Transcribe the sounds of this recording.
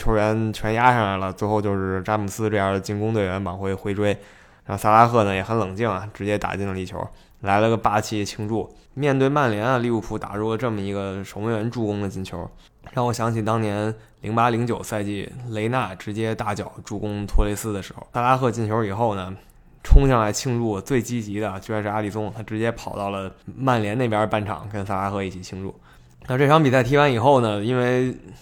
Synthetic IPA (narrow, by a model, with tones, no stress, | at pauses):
t͡ɕʰjo˧˥ʊɥɛ˧˥nt͡ɕʰɥɛ˧˥nja˥ʂɑ˥˩ŋla˧˥ɪlə˧t͡swe˥˧ɪxo˥˧ʊt͡ɕjo˥˧ʊʂɻ̩˥˩ʈ͡ʂa˥mu˨˩sɹ̩˥ʈ͡ʂɤ˥˧jɑ˥˩d̪ə˩t͡ɕi˥nkʊ˥ŋt̪we˥˩ɪɥɛ˧˥npɑ˨˩ŋxwe˥˩ɪxwe˥ɪʈ͡ʂwe˥ɪ | ɻɑ˥˩ŋsa˥˧la˥xʰɤ˥˩nə˩jɛ˨˧˩xə˧˥nlɤ˨˩ŋt͡ɕi˥˩ŋɐ˩ʈ͡ʂɻ̩˧˥t͡ɕjɛ˥t̪a̰˨˩t͡ɕi˥˩ŋlə˧i˥˩t͡ɕʰjo̰˧˥ʊ | la˧˥ɪlə˧ɡə˧pa˥t͡ɕʰi˧˥˧t͡ɕʰi˥ŋʈ͡ʂu˥˩ | mjɛ˥˧nt̪we˥˧ɪma˥˩nljɛ˧˥na˧li˥˧u˥˩pʰu˧˥t̪a̰˨˩ɻu˥˩lə˩ʈ͡ʂɤ˥˩mə˩i˧˥ɡə˧ʂo˧˥ŋwe˥ɥɛ˧˥nʈ͡ʂu˥˩kʊ˥ŋd̪ə˨t͡ɕi˥˩nt͡ɕʰjo˧˥ʊ | ɻa˥˩wɔ˨˩ɕjɑ˧˥ŋt͡ɕʰi˨˩t̪ɑ˥ŋnjɛ˧˥n | li˧˥ŋpa˧˥li˧˥ŋt͡ɕjo˨˩ʊsa˥˧ɪt͡ɕḭ˥˩le˧˥ɪna˥˩ʈ͡ʂɻ̩˧˥t͡ɕjɛ˥t̪a˥˩t͡ɕjɑ˨˩ʊʈ͡ʂu˥˩kʊ˥ŋt̪ʰwɔ˥le˧˥sɹ̩˥d̪ə˨˩ʂɻ̩˧˥xo̰˧˩ʊsa˥˧la˥xʰɤ˥˧t͡ɕi˥˩nt͡ɕʰjo˧˥i˨˩xo˥˩ʊnə˩ | ʈ͡ʂʰʊ˥ŋɕɑ˥˩ŋla˧˥ɪt͡ɕʰi˥˧ŋʈ͡ʂu˥˩t͡swe˥˩ɪt͡ɕi˥t͡ɕi˧˥d̪ə˧t͡ɕjjʂɻ̩˥˩a˥li˨˩sʊ˥ŋt̪ʰa˥ʈ͡ʂɻ̩˧˥t͡ɕjɛ˥pʰɑ˨˩ʊt̪ɑ˥˩ʊlə˩ma˥˩nljɛ˧˥ne˥˩pjɐ˧˥pa˥˩nʈ͡ʂʰɑ̰˨˩˦ŋkə˥nsa˥˧la˥xʰɤ˥˧i˥˩t͡ɕʰi˨˩t͡ɕʰi˥˧ŋɻṵ˥˩ | na˥˧ʈ͡ʂɤ˥˩ʈ͡ʂʰɑ˥ŋpi˨˩sa˥˩ɪt̪ʰi˥wa˧˥ni˨˩xo˥˩ʊnə˩i˥nwe˥˧˩ɪ